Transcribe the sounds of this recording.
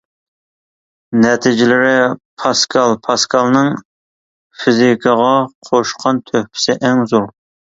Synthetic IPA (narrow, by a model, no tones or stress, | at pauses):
nɛt̪ʰɪd͡ʒɪlɪɾɪpʰɑskʰɑlˠpʰɑskʰɑlˠnɨŋ | fizikʰɑʁɑqʰoʃqʰɑnt̪ʰøhpʰɪ̥sɪʔɛŋzuɾ